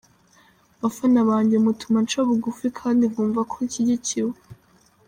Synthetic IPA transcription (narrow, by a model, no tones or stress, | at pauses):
βafanaβaːɲɟemutumant͡ʃoβuɡufikʰaːndiβuːɱvakʰoiciɟiciwe